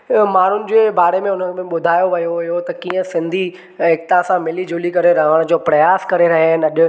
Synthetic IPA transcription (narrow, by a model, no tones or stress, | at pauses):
maːn̤ʊnɪ̆d͡ʑeːbaːɾemẽʊn̤əbɪɓʊd̪ʱaːjoʋɐjoɪɦot̪ɐkiːə̃sɪ̃nd̪ʱi | ɦɪk̚t̪ãsãmɪlid͡ʑoːlikɐɾeɾɐɦəɽ̃d͡ʑoːpɾɐjaːskɐɾeɾɐɦeənɐʄʊ̆